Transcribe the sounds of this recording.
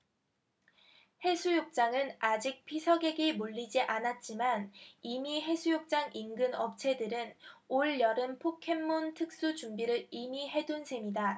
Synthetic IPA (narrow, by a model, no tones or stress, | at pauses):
he̞sʰujok̚t͡ɕ͈aŋɯnad͡ʑik̚pʰisʰʌɡe̞ɡimuʎːid͡ʑiʔanat̚t͡ɕ͈imanimiɦe̞sʰujok̚t͡ɕ͈aŋinɡɯnʌp̚t͡ɕʰe̞dɯɾɯnoɭjʌɾɯnpʰokʰe̞mːuntʰɯk̚s͈ut͡ɕumbiɾɯɾimiɦe̞dunsʰe̞mida